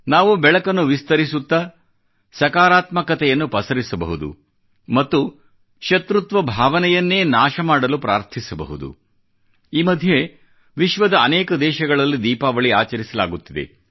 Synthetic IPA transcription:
naːʋubɛɭɐkɐnːuʋist̪ɐɾisut̪ːɐ | sɐkaːɾaːt̪mɐkɐt̪ɛjɐnːupɐsɐɾisɐbɐ̰ɦud̪ṵ | mɐt̪ːu | ʃɐt̪ɾut̪ʋɐbʱaːʋɐnɛjɐnːe̞ːnaːʃɐmaːɽɐlupɾa̰ːɾt̪ʰisɐbɐ̰ɦud̪ṵ | iːmɐd̪ʱje | ʋiʃʋɐd̪ɐːnɛːkɐd̪ɛːʃɐɡɐɭɐlːid̪iːpaːʋɐɭia̰ːt͡ʃɐɾisɐlaːɡut̪ːid̪ḛ

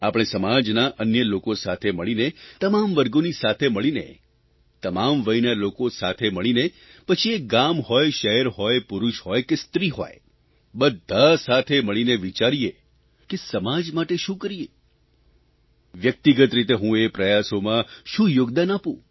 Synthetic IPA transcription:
apɽ̃esəmad͡ʒnaʔənjəlokosat̪ʰeməɭinet̪əmamʋəɾɡonisat̪ʰeməɭinḛ | t̪əmamʋəjnalokosat̪ʰeməɭine | pət͡ʃʰieɡamhɔjʃəɦɛɾɦojpʊɾuʃhɔjkest̪ɾiɦo̰j | bəd̪ʱːasat̪ʰeməɭineʋit͡ʃaɾie | kesəmad͡ʒmaʈeʃũkəɾie | ʋjək̚t̪iɡət̪ɾit̪eɦũepɾəjasomãʃũjoɡd̪anapũ

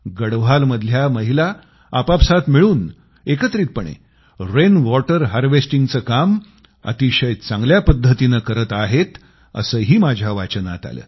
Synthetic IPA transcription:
ɡəɽʋ̤alməd̪ʱljaməɦila | apapsat̪miɭuːn | ekət̪ɾiːt̪̚pəɳḛ | ɾenʋɔʈəɾɦaɾʋesʈiŋɡt͡səːkam | ə̰t̪iɕəjt͡sãŋɡljapəd̪ʱːət̪inəkəɾət̪aɦet̪ | ə̰səːɦiːmad͡ʑʱaʋat͡ɕəna̰t̪a̰lə̰ː

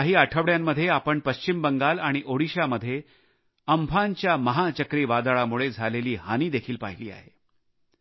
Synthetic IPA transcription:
ɦiːaʈʰəʋɽjamːəd̪ʱːjeapəɳpəɕt͡ɕimbəŋɡalaɽ̃iʔoɽiɕaməd̪ʱːje | əmbʱaɲt͡ɕjaməɦat͡ɕəkɾiːʋad̪aɭamuɭed͡zʱaleliːhaniːd̪ekʰiːlpa̰ɦiliːa̰ɦe

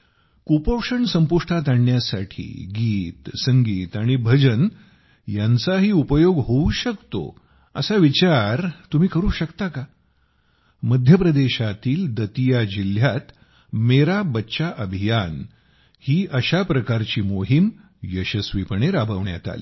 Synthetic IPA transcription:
kupəwʂəɳsəmpuʂʈʰat̪aɳːjasaʈʰḭːɡiːt̪səŋɡiːt̪aɽ̃ibʱəd͡ʑən | jant͡saɦiːupəjoɡɦouɕəkt̪o̰ | əsaʋit͡ɕaɾt̪um̤iːkəɾuːɕəkt̪aka | məd̪ʱjəpɾəd̪eɕat̪iːld̪ət̪ijad͡ʑil̤jat̪ | meɾabətːɕaʔəbʱijan | hiːʔəɕapɾəkaɾt͡ɕiːmoɦim | jəɕəsʋipəɳeɾabʱəʋɳja̰t̪a̰lḭː

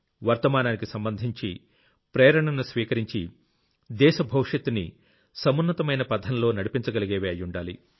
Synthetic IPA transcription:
ʋɐɾt̪ɐmaːnaːnikisɐmbɐnd̪ʱiɲt͡ʃḭ | pɾeːɾɐɳɐnusʋiːkɐɾiɲt͡ʃi | d̪ɛːʃɐbʱɐwʂjɐt̪ːunḭ | sɐmunːɐt̪ɐmɐjnɐpɐd̪ʱɐnɐlo̞ːnɐɽipiɲt͡ʃɐɡɐliɡeːʋeːɐjːuɳɖaːlḭ

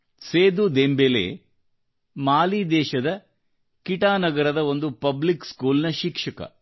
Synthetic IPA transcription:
seːd̪ud̪embelḛː | maːlid̪ɛːʃɐd̪ɐ | kiʈaːnɐɡɐɾɐd̪ɐo̞nd̪upɐblikskuːlnɐʃikʂɐkɐ̰

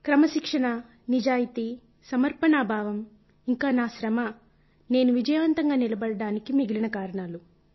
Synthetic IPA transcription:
kɾɐmɐʃikʂɐɳɐ | nid͡ʒaːjit̪i | sɐmɐɾpɐɳaːbʱaːʋɐm | iŋkaːnaːʃɾɐmɐ | ne̞ːnuʋid͡ʒɐjɐʋɐnt̪ɐŋɡaːnilɐbɐɽɐɽaːnikimiɡilinɐkaːɾɐɳaːlu

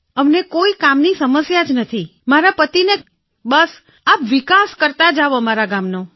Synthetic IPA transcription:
əmnekoikamnisəməsjad͡ʒnət̪ʰimaɾapət̪ine | bəs | apʋikaskəɾt̪ad͡ʒaʋomaɾaɡamno

